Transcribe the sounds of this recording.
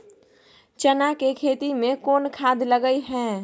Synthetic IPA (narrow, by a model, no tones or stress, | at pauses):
t͡ʃənakekʰeːt̪imẽkoːnkʰaːd̪ʱləɡəiɦɛ̃ː